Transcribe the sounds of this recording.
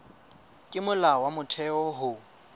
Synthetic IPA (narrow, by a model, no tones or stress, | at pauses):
kʼɪmʊlawamʊtʰɛɔɦʊ